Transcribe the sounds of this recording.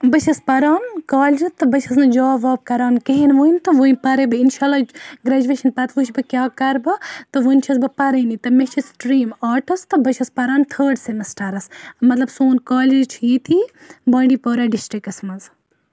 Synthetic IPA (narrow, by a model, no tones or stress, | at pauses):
bɐt͡ʃʰɐspɐɾaːnkaːld͡ʒɨt̪ɨbɐt͡ʃʰɐsnɨd͡ʒaːʋaːb̚kɐɾaːnkeɦinʋujnt̪ɨʋunʲpɐɾebɨinʃaːlaːɡɾaːd͡ʒuʋeːʃɐnpɐt̪ʰʋut͡ʃʰbɨkʲjaːkɐɾbɨt̪ɨʋunʲt͡ʃʰisbɨpɐɾɐnit̪ɨmet͡ʃʰisʈɾiːmaːʈɐst̪ɨbɐt͡ʃʰɐspɐɾaːnt̪ʰəːɾɖsemɐsʈaɾɐsmɐt̪lɐbsoːnkaːlid͡ʒt͡ʃʰijiːt̪ʰiː | baːɳɖiːpoːɾaːɖisʈɾikɐsmɐz